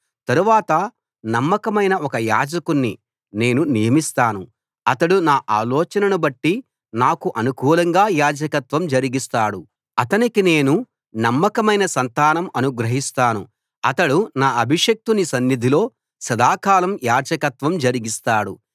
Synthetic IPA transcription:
t̪ɐɾuʋaːt̪ɐ | nɐmːɐkɐmɐjnɐʔɔkɐjaːd͡ʒɐkunːi | ne̞ːnunijɐmist̪aːnu | ɐt̪ɐɽunaːʔaːlɔːt͡ʃɐnɐnubɐʈːi | naːkuʔɐnukuːlɐŋɡaːjaːd͡ʒɐkɐt̪ʋɐmd͡ʒɐɾiɡist̪aːɽu | ɐt̪ɐnikine̞ːnu | nɐmːɐkɐmɐjnɐsɐnt̪aːnɐmɐnuɡɾɐɦist̪aːnṵ | ɐt̪ɐɽunaːɐbʱiʂɐk̚t̪unisɐnːid̪ʱilo̞ː | sɐd̪aːkaːlɐmjaːd͡ʒɐkɐt̪ʋɐmd͡ʒɐɾiɡist̪aːɽṵ

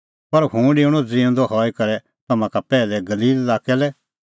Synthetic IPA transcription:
pɐɾhũːɖɪuɽ̃ɔd͡ziɛ̃nd̪ɔɦɔːikɐɾɛ | t̪ɐmãkapɛːlɛɡɐliːlːaːkɛlɛ

